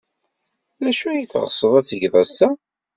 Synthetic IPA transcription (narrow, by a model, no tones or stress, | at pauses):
læʃuæjθʁəsˤəðˤæt͡sːəʝðˤɑsæ